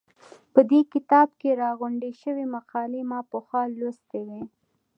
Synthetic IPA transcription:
pəd̪ekɪt̪ɑb̚keɾɑɣʊɳɖeʃəwimaqɑlemɑpəxwɑlost̪ewe

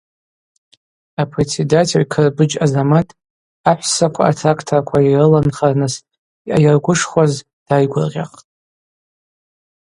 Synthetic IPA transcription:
apʰre̞t͡sʰedatʰʕkʰɨrbɨd͡ʒazamatʼ | aħʷsakʷʰaːtʰrakʰtʰarkʷʰairɨlanχarnɨs | iʔajarɡʷʊʂχʷwaz | d̥ajɡʷʊrʁʲa̰qʼtʼ

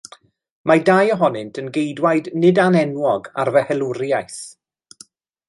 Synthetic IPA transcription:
madajɔɦɔnɪntʰənɡejdwajdnɪdanɛnwɔɡa̰rvɛhɛlˠʊɾjajθ

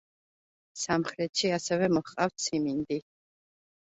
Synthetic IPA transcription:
samχɾɛt̪ʃiasɛvɛmɔχqʼaft̪sʰimind̪i

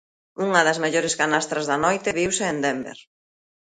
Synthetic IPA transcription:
uŋɐðɐzmeʎoɾeskanast̪ɾɐzðɐnɔjt̪ɪβiwseːnd̪embḛɾ

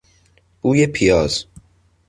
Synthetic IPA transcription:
uːjepʰijɒːz̥

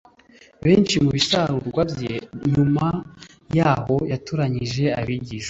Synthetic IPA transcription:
βe̞ːnt͡ʃimuβisaɾuɾɡwabjeɲuma | jaːho̞jatuɾaɲiʒe̞aβiɟiʃa

